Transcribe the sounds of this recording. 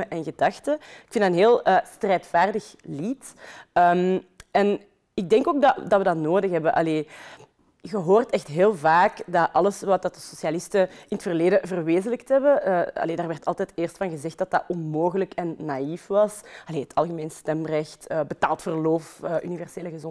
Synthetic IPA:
əʔɛnɣədɑxtəɪkfɪndɑtənɦeːlˠəstrɛːtfaːrdəxlitəmɛn | ɪɡ̚dɛŋkoːɡ̚dɑdɑtwʋədɑtnoːdəxɦɛbəʔɑ̰leː | ɣəɦoːrtɛxtɦeːlˠvaːkdɑʔɑləsʋɑt̚dɑtdəsosijalɪstəɪnətfərleːdəvərʋeːzələktɦɛbəɑ̰leːdaːrʋɛrtɑlˠtɛːteːrstfɑnɣəzɛxt̚d̥ɑtɑʔɔnmoːɣələkɛnːaifʋɑsɑleːɦətʰɑ̰lˠɣəmeːnstɛmrɛxtəbətaːlˠtfərloːfəʔynivɛrseːləɣəzɔ

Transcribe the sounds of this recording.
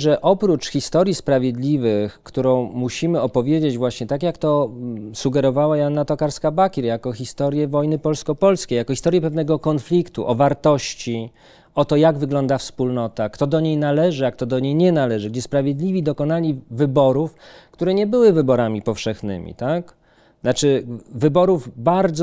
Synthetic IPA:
ʐɛʔɔpɾut͡ʂxʲist̪ɔɾʲjispɾavʲjed̪lʲivɘxkt̪uɾɔ̃w̃muɕimɘɔpɔvʲjed͡ʑed͡ʑvwaɕɲɛt̪akjakt̪ɔsuɡɛɾɔvawajanːat̪ɔkaɾskabakʲiɾjakɔxʲist̪ɔɾjɛvɔjnɘpɔlskɔpɔlskʲejakɔxʲist̪ɔɾjɛpɛvnɛɡɔkɔnflʲikt̪ṵʔɔvaɾt̪ɔɕt͡ɕi | ɔt̪ɔjaɡvɘɡlɔnd̪afspulnɔt̪akt̪ɔd̪ɔɲejnalɛʐɘak̚t̪ɔd̪ɔɲejɲɛnalɛʐɘɡd͡ʑɛspɾavʲjed̪lʲivʲid̪ɔkɔnalʲivɘbɔɾufkt̪uɾɛɲɛbɘwɘvɘbɔɾamʲipɔfʂɛxnɘ̰mʲḭt̪ak̪ | at͡ʂɘvɘbɔɾuvbaɾd̪z

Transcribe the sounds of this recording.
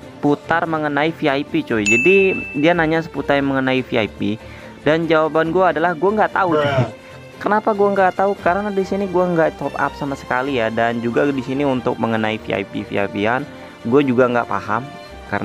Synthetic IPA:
put̪arməŋənaifiaipit͡ʃoid͡ʒadidianaɲas̬ə̥put̪arjməŋənaifia̰ipi | dand͡ʒawabanɡuaːdalahɡuaŋɡaʔt̪au | kənapaɡuaŋɡat̪aukaɾənadisiniɡuaŋɡaʔt̪ɔp̚a̰p̚samasə̥kalijadand͡ʒuɡadisiniunt̪ʊk̚məŋənaifḭa̰ipḭfḭa̰pian | ɡuad͡ʒuɡaŋɡa̰ʔpa̰ham | ka̰n

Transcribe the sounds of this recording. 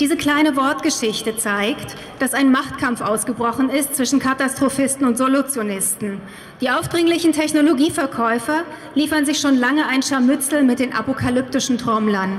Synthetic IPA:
d̥iːzəkl̥aɪnəvɔɐtɡ̥əʃɪçtət͡saɪkt | d̥asaɪnmaχtkʰamfʔaʊsɡ̥əbʁɔχn̩ɪstt͡sv̥ɪʃn̩kʰatastʁ̥ofɪstn̩ʊntz̥olut͡sjonɪstn̩ | d̥iːʔaʊfd̥ʁɪŋlɪçn̩tʰɛçnoloɡiːfɛɐkʰɔʏfɐliːfɐnzɪçʃoːnlaŋəaɪnʃamʏt͡sl̩mɪt̚d̥eːnʔa̰pokʰalʏp̚tɪʃn̩tʁ̥ɔmlɐn

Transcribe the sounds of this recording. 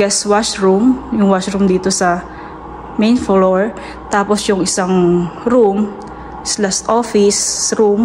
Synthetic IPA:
ɡɛswaʃɹumjʊŋwaʃɾumd̪iːt̪osɐ | mejnfoloɛɹ | t̪aːposjʊŋɪsaŋɾum | slast̪ʔofɪsɾum

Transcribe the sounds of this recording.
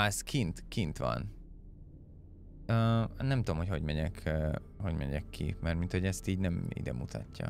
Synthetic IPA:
ɛskʰint̪kint̪ʋɒ̰n | øːnːɛmt̪ud̪omho̞cho̞ɟmɛɲɛkʰː | ho̞ɟmɛɲɛkʰːḭmɛrt̪mint̪ho̞ɟɛst̪iːɟnɛmḭd̪ɛ̰mut̪ʰɒtːɒ̰

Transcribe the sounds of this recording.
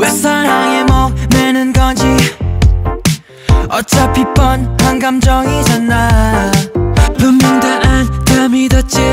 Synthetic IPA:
wesʰaɾaŋemʌmenɯnɡʌd͡ʑi | ʌt͡ɕ͈apip͈ːʌnhaŋɡamd͡ʑʌɡid͡ʑanːa | pɯmmɯŋdɯʔantamidot͡ɕe

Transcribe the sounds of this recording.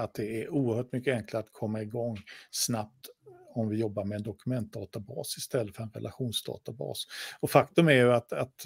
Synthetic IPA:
at̪̚d̪ɛæɾuːəɾhœːʈmʏkːəɛŋklaɾat̪kʰɔmːaɪɡɔŋːsnap̚t̪ɔmvɪjɔbːaɾmɛːnd̪ɔkɵmɛnt̪̚d̪ɑːt̪abɑ̰ːsɪst̪ɛlːət̪fœɾɛnɾɛ̰laɧuːnsd̪ɑ̰ːt̪abɑ̰ːsɔfakt̪ɵmæɾjɵat̪at̪

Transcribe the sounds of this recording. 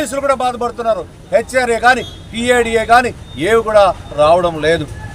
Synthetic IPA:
iːs̬ulukuːɽaːbaːd̪ɐpɐɽut̪unːaːɾu | het͡ʃːeɾeːɡaːni | piːeːɖieːɡaːnieːwikuːɽaːɾaːʋɐɽɐmle̞ːd̪u

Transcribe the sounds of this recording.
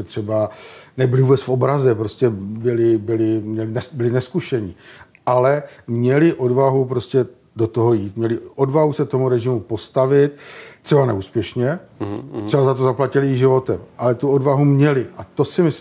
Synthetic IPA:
ɛt̪r̥ɛbanɛbɪlɪvuːbɛt͡sfo̞bɾazɛpɾo̞scɛbɪlɪbɪlɪmɲɛlɪnɛbɪlɪnɛskuʃɛɲɪ | ʔalɛmɲɛlɪʔo̞dvaɦupɾo̞scɛ | do̞t̪oɦojiːt̪mɲɛlɪʔo̞dvaɦusɛt̪o̞muɾɛʒɪmupo̞st̪avɪt̪ːr̥ɛbanɛ̰uːspjɛʃɲɛt̪rɛbazat̪ozaplacɪlɪʒɪvo̞t̪ɛmʔalɛt̪uo̞dvaɦumɲɛlɪʔat̪o̞sɪmɪs

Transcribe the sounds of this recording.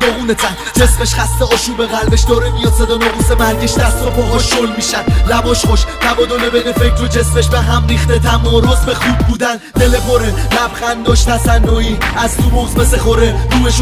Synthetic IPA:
d̪oɣuːnet̪ʰæn | d͡ʒe̞smeʃχæst̪eɒːʃuːbeɣælbeʃd̪ɒːɾemijɒd̪sed̪ɒnɒbusebæɾɟeʃt̪æsopʰoɦɒʃolmiːʃænd̪læbɒːʃχoʃt̪ʰæbɒːd̪onebenefekʰɾod͡ʒe̞sme̞ʃbeɦæmɾiːχt̪et̪ʰæmɒːɾo̞zbe̞xuːb̪̚buːd̪æn | d̪e̞lepʰoɾelæbχænd̪ɒʃt̪æsænːɔːiæzt̪ʰubozbeseχoɾeɾuːmeʃ

